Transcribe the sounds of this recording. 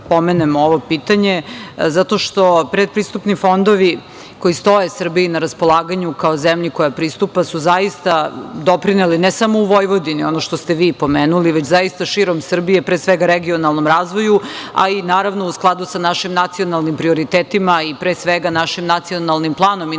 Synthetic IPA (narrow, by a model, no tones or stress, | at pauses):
pomenemoʋo̞piːt̪aɲezat̪o̞ʃt̪o̞pɾed̪̚pɾist̪upnifo̞nd̪o̞ʋi | ko̞jist̪o̞jesr̩biːnaɾaspo̞lˠaːɡaɲukaozemʎiko̞japɾist̪upasuzajist̪ad̪opɾinelinesamo̞uʋo̞jʋod̪inio̞noʃt̪ost̪eʋiːpo̞meːnuliʋet͡ɕzajist̪aʃiːɾo̞msr̩bije̞pɾesʋeɡaɾeɡionalˠno̞mɾaːzʋo̞jua̰inaːɾaʋnousklˠad̪usanaʃimnat̪sio̞nalˠnimpɾio̞ɾit̪eːt̪imaipɾeːsʋeɡanaʃimnat̪sio̞nalˠnimplˠaːno̞mi